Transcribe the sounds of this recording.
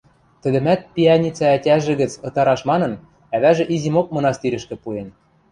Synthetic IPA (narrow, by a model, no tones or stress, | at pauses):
t̪ɘ̆d̪ɘ̆mæt̪̚piɑnʲit͡sɑætʲæʒɘ̆ɣɘ̆t͡sɤ̆t̪ɑɾɑʃmɑnɤ̆n | æβæʒĕʔizimok̚mɤ̆nɑst̪iɾɘ̆ʃkɘ̆puen